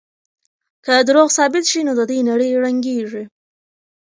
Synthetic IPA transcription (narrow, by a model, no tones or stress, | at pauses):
kəd̪ɾoɣsɑbɪt̪ʃinod̪əd̪ujnaɽəjɻaŋɡei